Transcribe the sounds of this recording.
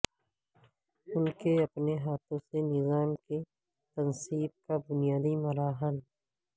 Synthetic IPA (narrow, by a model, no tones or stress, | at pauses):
ʊnkeɐpneɦaːt̪ʰõsenɪzaːmke | t̪ɐnsiːb̚kabʊnijaːd̪imɐɾaːɦəl